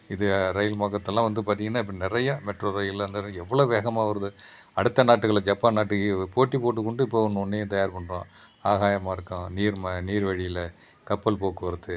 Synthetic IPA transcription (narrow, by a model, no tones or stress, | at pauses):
ɪðɯɾɐjɪlmaːkːɐt̪ːɛlːãːʋɐnd̪ɯpaːɾt̪iːŋɡɐnːaːɪp̬ːɐɽɪnɪɾɐjɐmɛʈroːɾɐjɪlɐnd̪ɐɾɛʋːɐɭoːʋeːɣɐmaːʋɐɾɐðɯ | ɐɽɯt̪ːɐnaːʈːɯkɐɭɐd͡ʒɐpːaːnaːʈːɯkɯpoːʈːipoːʈːɯkːɔɳɖɯɪpːoːɔnːɯɔnːɐjɐ̃t̪ɐjaːɾpɐɳːɯɾõ̰ː | aːɣaːjɐmaːɪɾɯkːʊ̃niːɾmɐniːɾʋɐɻɪjɪlɐ | kɐpːɐlpoːkːɯʋɐɾɐt̪ːɯ